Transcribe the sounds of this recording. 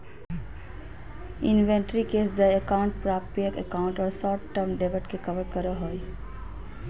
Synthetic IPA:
inʋeɳʈɾikesd̪əjəkaʊɳʈ̚pɾapiəkəkauɳʈɔːɾsɔʈʈːəmɖebəʈkekəʋəɾkəɾəɦoj

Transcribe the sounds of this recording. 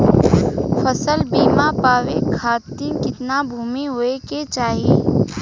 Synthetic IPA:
fəsəlbiːmapaːʋekʰaːt̪ikɪt̪nabʱuːmiɦoeket͡ʃaːɦie

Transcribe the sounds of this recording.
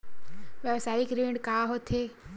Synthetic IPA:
ʋjəʋsaːɪkɾẽːɳɖkaːɦot̪ʰeː

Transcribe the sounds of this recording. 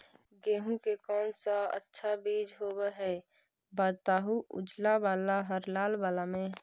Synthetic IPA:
ɡeːɦũkekɔːnsaə̰tːʃʰabiːd͡ʒɦoːbaɦɛː | baːt̪aːɦuʔʊ̰d͡ʒlabaːlaɦəɾlaːlbaːlamẽ

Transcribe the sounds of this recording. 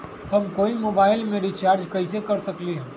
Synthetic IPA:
hɐmkoːimoːbaːɪlmeːɾit͡ʃaːɾd͡ʒkɐisekɐɾsɐkliɦɛ

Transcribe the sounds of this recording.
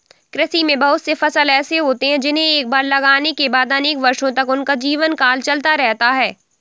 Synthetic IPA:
kɾɪsimẽbɐɦʊt̪sefɐsəlɛːseɦoːt̪eɦɛ̃d͡ʒɪnɦẽeːk̚baːɾlɐɡaːnekebaːd̪ɐneːkʋɐɾʃõt̪ɐkʊnkad͡ʒiːʋənkaːlt͡ʃɐlt̪aɾɛɦt̪aɦɛː

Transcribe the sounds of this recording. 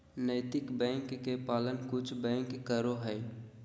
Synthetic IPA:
nəɪt̪ɪkbɛ̃ːŋkːepaːlənkʊt͡ʃʰbɛ̃ːŋkːəɾoɦɛː

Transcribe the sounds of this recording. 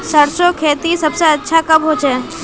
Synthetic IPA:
səɾsokʰeːt̪isɐbseətːʃʰakɐbɦoːt͡ʃʰeː

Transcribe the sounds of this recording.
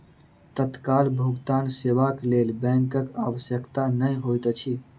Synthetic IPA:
t̪ət̪kalbʱuɡt̪anseʋaklelbɛ̃ŋkəka̰ʋəsjəkt̪anəjɦojt̪t͡ʃʰi

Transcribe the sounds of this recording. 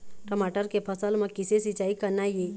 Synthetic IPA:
ʈəmaːʈəɾkepʰəsəlmẽkɪsesit͡ʃaːikənaije

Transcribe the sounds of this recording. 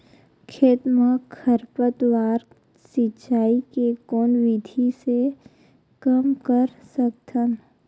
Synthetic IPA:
kʰeːt̪məkʰːəɾpət̪ʋaːɾ | sɪt͡ʃaːikekoːnʋɪd̪ʱise | kəmkəɾsək̚t̪ʰən

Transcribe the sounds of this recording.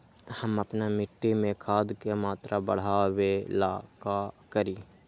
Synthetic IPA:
həməpnamɪʈːimẽkʰaːd̪kemaːt̪ɾʔabəɽ̤awelaːkakəɾiː

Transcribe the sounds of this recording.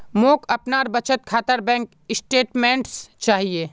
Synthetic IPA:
moːkɐpnaːɾbɐt͡ʃət̪̚kʰaːt̪əɾbɛ̃ːŋk | ɪsʈeːʈmẽːɳʈst͡ʃaːɦieː

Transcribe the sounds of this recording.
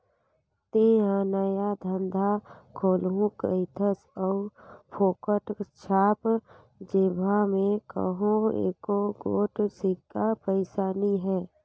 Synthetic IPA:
t̪eaːnaːjad̪ʱə̃nd̪ʱakʰoːlɦũkəɪt̪ʰəsɔːpʰoːkəʈt͡ʃʰaːp | d͡ʒeːbʱamẽkə̰ɦõḛːkoɡoːʈsikapəɪsaːniɦɛː

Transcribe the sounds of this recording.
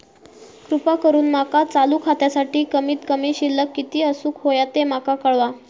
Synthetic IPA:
kɾupakəɾuːnmakat͡saluːkʰat̪jasaʈiːkəmiːt̪kəmiːɕilːəkːit̪iːəsuːkɦojat̪emakakəɭʋa

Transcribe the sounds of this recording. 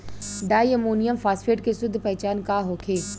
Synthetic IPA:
ɖaːjəmoːnijəmfʰaːsfʰeːʈ̚kesʊd̪ʱːpɛɦt͡ʃaːnkaɦoːkʰeː

